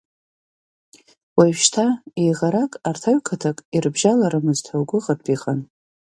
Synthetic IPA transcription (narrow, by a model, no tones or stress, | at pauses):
waʃtʰaejʁaɾakʼartʰaɥkʰatʰakʼirbʒalaɾamɨztʰawɡʷʊʁatʰʼiχan